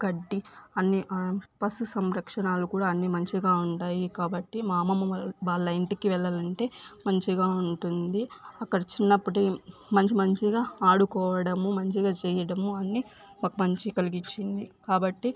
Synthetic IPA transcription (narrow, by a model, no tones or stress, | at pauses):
kɐɖːiɐnːiʔpɐsusɐmɾɐkʂɐɳaːlukuːɽaːɐnːimɐɲt͡ʃiɡaːuɳʈaːjikaːbɐʈːimaːmɐmːɐʋaːlːɐiɳʈikiʋɛɭːɐlɐɳʈe̞ːmɐɲt͡ʃiɡaːuɳʈund̪iɐkːɐɽɐt͡ʃinːɐpːuʈemɐɲt͡ʃimɐɲt͡ʃiɡaːaːɽukɔːʋɐɽɐmumɐɲt͡ʃiɡaːt͡ʃɛːjɐɽɐmuɐnːi | mɐkɐmɐɲt͡ʃikɐliɡit͡ʃːind̪ikaːbɐʈːi